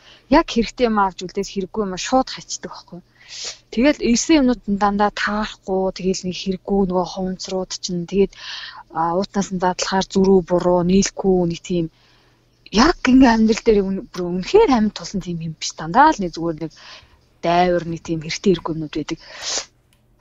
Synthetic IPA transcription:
jakxeɾɘ̆kt̪ʰeːjmawt͡ɕuɮt̪eːt̪xeɾɘ̆ɡːujʊmaʃʊːt̪χat͡ɕt̪ə̆kɔ̥χɡuj | t̪ʰeɣeːɮersĕŋʊmnʊːt̪̆nt̪ant̪aːt̪ʰarɡʊːt̪ʰeɣeːɮnikxeɾɘ̆ɡːujnɵɣoːχʊw̆nt͡srʊːt̪t͡ɕʰɪ̆nt̪ʰeɣeːt̪ | ʊːt̪ʰnaːsə̆nt͡sat̪ə̆ɮχaːrt͡suɾuːpʊɾʊːniːɮɡujunĭkt̪ʰiːm | jakːiŋɡæmʲt̪rə̆ɬt̪eːɾpunxeːræmʲɪ̆nt̪ʰːʊɮɞ̆nt̪ʰiːmxempi̥st̪ʰant̪aːɮnik̚t͡suɣeːrnĕk | t̪æːwə̆rnit̪ʰiːmxeɾɘ̆kt̪ʰeːeɾɘ̆ɡujʊmnʊːt̪pæːt̪ə̆k̚

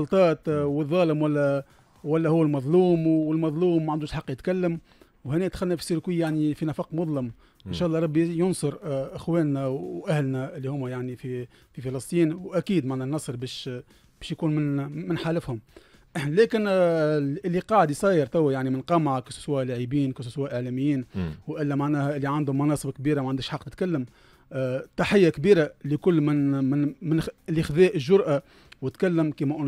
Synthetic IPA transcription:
ɑlt̪ˤɑːt̪wəðˤːɑːləmwælːæ | wælːæhʊwːælmɑðˤluːmwəlmɑðˤluːmːæʕand̪uːʃħɑqːjɪt̪kælːəm | whɪnɛːt̪xælnæfisˤiɾkwijjaʕnifinɑfɑqmʊðˤləm | ʔɪnʃæːʔlˤːɑːɾˤɑbːijʊnsˤʊɾʔɪxwɛːnːæwʔæhlnæɪlːihʊmːæjaʕnifi | fifɑlɑsˤt̪ˤiːnwʔækiːd̪maʕnænːɑsˤɾbɛːʃ | bɛːʃjkuːnmɪnmɪnħaːlɪfhʊm | lɛːkɪn | ɪlːiqɑːʕd̪ijsˤɑːjəɾt̪æwːæjaʕnimɪnqɑmaʕakɪsʊ̥swæːʔlæʕibiːnkesswæːʔəʕlæːmɪjːiːnwʔɪlːæmaʕnæːhʔɪlːiʕand̪hʊmːɑnɑːsˤəbkbiːɾamæʕand̪æʃħɑqːnɪt̪kælːəm | t̪ˤːɑħɪjːakbiːɾalikʊlːmɪnmɪnmɪnʔɪlːixðɛːʔəʒːʊɾʔa | wɪt̪kælːəmkiːmæʔʊn

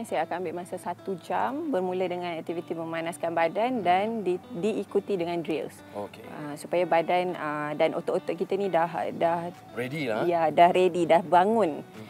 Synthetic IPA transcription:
sajaːkanambɪʔmasasat̪ud͡ʒambərmũlədəŋãnɛk̚t̪ivit̪imə̃manaskanbadandandidiːkut̪idəŋãndɾḭls | okeəsupajabadanədanʔo̰t̪ɔʔot̪ɔʔkit̪anĩdahdah | rediajadahɾedidahbaŋʊ̃n

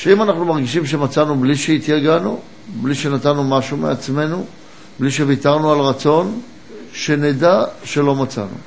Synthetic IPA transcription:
ʃeimanaχnumaʁɡiʃimʃe̞mat͡sanubliʃeit̪jaɡanu | bliʃe̞nat̪anːumaʃumḛat͡sme̞nu | bliʃ̬e̞vitaʁnualʁat͡so̞n | ʃe̞nedaʃe̞lo̞mat͡sa̰nṵ

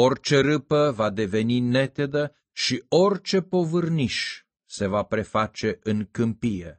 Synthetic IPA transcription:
o̞rt͡ʃe̞ɾɨpəvad̪e̞ve̞nine̞t̪e̞d̪ə | ʃio̞rʲt͡ʃe̞po̞vɨrniʃ | se̞vapɾe̞fat͡ʃe̞ʔɨŋkɨmpijḛ

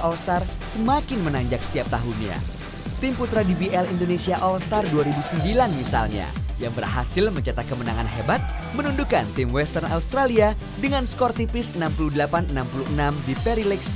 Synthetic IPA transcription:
ʔɔlst̪arsəmakɪnmənaɲd͡ʒaksə̥t̪iap̚t̪aɦunja̰ | t̪imput̪ɾadibiʔɛlindonesiaʔɔlst̪arduaɾibusəmbilanmisa̰lɲa̰jaŋbərɦa̰sɪlməɲt͡ʃat̪akəmənaŋanɦebat̪̚ | mənundukant̪ɪmwɛst̪ərna̰ust̪ɾalia | dəŋanskɔrt̪ipɪsənampuluhdəlapanənampuluhənamdipɛɾilɛks

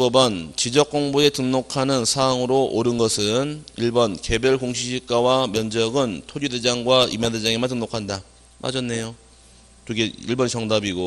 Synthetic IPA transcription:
bʌbʌnt͡ɕid͡ʑʌk͈̚oŋbue̞tɯŋnokʰanɯnsʰaːŋɯɾoʔoɾɯnɡʌsʰɯniɭbʌnke̞bjʌɭkoŋɕʰiɕʰik̚k͈awamjʌnd͡ʑʌɡɯntʰoɾude̞d͡ʑaŋɡwaimaded͡ʑaŋemantɯŋnokʰanda | ma̰d͡ʑʰʌnːe̞jo | tɯɡeiɭbʌnt͡ɕʌŋdabiɡo

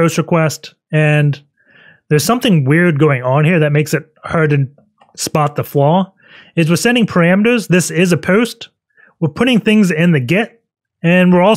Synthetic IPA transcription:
oʊst̚ɹɨkʰw̥ɛst | ɨ̃n | ðə˞z̥sʌ̃mθɪ̃ŋwɪɹd̚ɡoʊɪ̃ŋə̃nhiɹðɨt̚meɪksɨt̚hɑɹd̚ɾɨn | spɑt̪̚ðəflɔlˠ | ɨz̬wɨðsɛ̃ndɪ̃ŋpʰə˞æ̃mɾɨzðɪsɪzɨpʰoʊst | wə˞pʰʊɾɪ̃ŋθɪ̃ŋzɪ̃nðɨɡɪɾ | ɨ̃nwɪɹɔlˠ

